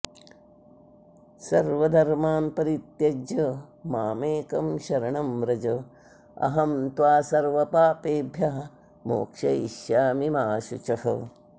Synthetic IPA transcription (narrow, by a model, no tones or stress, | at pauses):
sɐɾʋɐd̪ʱɐɾmaːnpɐɾit̪jɐd͡ʒɐmaːmeːkɐmʃɐɾɐɳɐmɾɐd͡ʒɐ | ɐ̰ɦɐmt̪ʋaːsɐɾʋɐpaːpeːbʱjaɦɐ | mo̰ːkʂɐiʃjaːmimaːʃut͡ʃɐhɐ